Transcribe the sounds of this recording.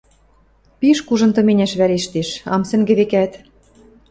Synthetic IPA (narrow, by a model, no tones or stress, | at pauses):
piʃkuʒɤ̆nt̪ɤ̆menʲæʃβæɾeʃt̪eʃɑ̰msɘ̆ŋɡɘ̆βekæt̪